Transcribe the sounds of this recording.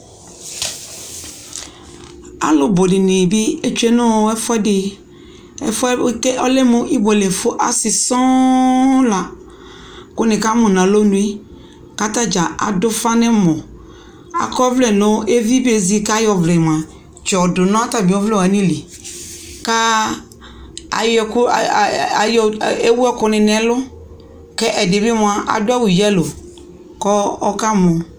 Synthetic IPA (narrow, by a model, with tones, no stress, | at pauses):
a̰˨lo˦bo˨dɪ˨nẽ˨bi˦e˦t͡ʃu˦e˦nõ˦ɛ˦fɛ˦de˨ | ɛ̰˦fɛ˦ke˦ʔɔ˦le˦mõ˦ʔi˦bo˨le˨fo˦ʔa˨si˨sɔ̃˦ | la˨ | ko˦nẽ˨ka˦mõ˨nã˨lo˦nũ˦i˦ | ka˦t̪a˦d͡ʒa˨ʔa̰˨dʊ˦fa˦nɛ̃˦mɔ̃˨ | a̰˨kɔ˦vlɛ˨nʊ˦e˦vi˦be˨zi˦ka˦jɔ˨vlɛ˨m˨ã˨ | t͡ʃɔ˨dʊ˨nɔ̃˦a˦ta˨bɔ˦vlɛ˦˨a˨nĩ˦li˨ | ka˦ | a̰˨jkʊ˦˨ | jɔ˨e˦wu˦ɛ˦kʊ˦nɪ˨nɛ˦lʊ˦ | kɛ˦ʔɛ˨dɪ˨bɪ˦m˨a˨˦ʔa̰˨dʊ˦a˦wʊ˨jɛ˦lo˨ | kɔ˦ɔ˦ka˦mʊ̃˨